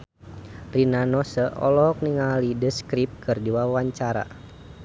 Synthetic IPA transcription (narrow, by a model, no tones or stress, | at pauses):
rinanɔsəʔɔ̰lɔɔk̚niŋalidəskɾip̚kɨrdiwawaɲt͡ʃaɾa̰